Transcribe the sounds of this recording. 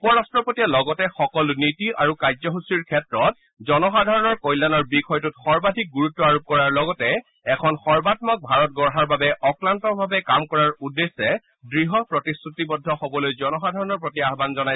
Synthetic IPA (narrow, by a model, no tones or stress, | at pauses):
upɔɹastɹɔpotijalɔɡɔtɛxɔkɔlnitiʔaɹukajzɔɦusiɹkʰɛtɹɔt̚ | zɔnɔxadʱaɹɔnɔɹkɔjlanɔɹbikʰɔjtutxɔɹbadʱik̚ɡuɹutːɔaɹup̚kɔɹaɹlɔɡɔtɛ | ɛkʰɔnxɔɹbat̚mɔk̚bʱaɹɔt̚ɡɔɹɦaɹbabɛʔɔklantɔbʱabɛkamkɔɹaɹudːesːɛ | dɹiɦɔpɹɔtisɹutibɔdʱːɔxobɔlojzɔnɔxadʱaɹɔnɔɹpotiaɦbanzɔnaj